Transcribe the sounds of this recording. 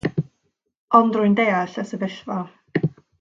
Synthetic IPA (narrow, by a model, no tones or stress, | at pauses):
ɔndrʊɨjndejaɬəsəvɪɬvɔ